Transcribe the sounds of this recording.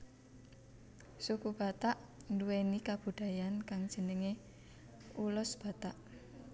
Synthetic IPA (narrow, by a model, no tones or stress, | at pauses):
sukub̥a̤t̪aʔnduwenikab̥ṳd̪̥a̤jankaŋd̥ʒ̥ə̤nəŋe | ulʊsb̥a̤t̪aʔ